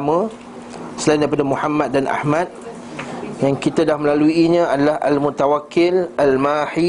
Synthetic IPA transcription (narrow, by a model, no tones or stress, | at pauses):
mə̃ | səlajindaɾipadamuhamat̪̚danʔa̰hmãt̪̚ | jaŋkit̪adahməlaluiɲə̃adalaha̰lmut̪awakːɪlalmahi